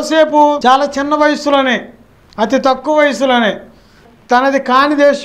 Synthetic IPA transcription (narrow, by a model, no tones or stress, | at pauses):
se̞ːput͡ʃaːlaːt͡ʃɪnːɐʋɐjɐsuloneː | ɐt̪it̪ɐkːuʋɐjɐsulɐneː | t̪ɐnɐd̪ikaːnid̪eːʃ